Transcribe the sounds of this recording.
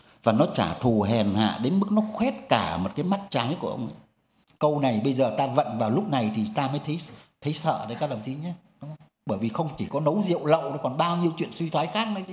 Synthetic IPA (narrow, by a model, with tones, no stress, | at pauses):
vaː˨˩nɔ˨˦t͡ɕa̰ː˧˩t̪ʰu˨˩ɦɛ˨˩nha̰ː˧˨ɗe˨˦nmɨ˦˥k̚nɔ˨˦xwɛ˦˥t̚kaː˧˩mo˨˩t̚kaː˨˦jma˦˥t̚t͡ɕaː˨˦jku˧˩əʔə̰˧wŋ͡m | kə˧wna˨˩jɓə˧jzəː˨˩t̪aː˧və̰˧˨nvaː˨˩wlʊ˦˥k͡p̚na˨˩jt̪ʰi˨˩t̪aː˧məː˨˦jt̪ʰə˨˦jt̪ʰə˨˦jsə̰ː˧˨ɗə˨˦kaː˦˥k̚lə˨˩ŋ͡mt̪ʰi˨˦ɲa˨˦ɗʊ˨˦ŋ͡mə˧wŋ͡m | ɓəː˧˩jvi˨˩xə˧wŋ͡mt͡ɕi˧˩kɔ˨˦nə˨˦wzḭ˧˨əwlə̰˧˨wɗɔ˨˦kɔ˨˩nɓaː˧wɲi˧əwt͡ɕwḭ˧˨ənswi˧t̪ʰwaː˨˦jxaː˦˥k̚nə˨˦t͡ɕ